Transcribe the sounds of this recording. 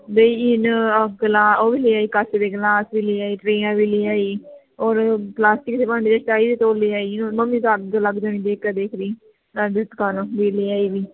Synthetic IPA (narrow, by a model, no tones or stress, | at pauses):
beiːɪnɡlaːoːʋiːleːaːiːkəsd̪eːɡlaːsʋiːliːaːiːʈɾeːãːʋiːliːaːiː | oːɾplaːsʈɪkseːpãːɳɖiːd͡ʒat͡ʃaːiːd̪eːt̪oːlːiːaːiːnoməmːiːsaləɡd͡ʒaːɽ̃ĩːd̪eːkɛːd̪eːkʰɾiː | ad̪ɪt̪kaːnõːbiːleːaːiːʋiː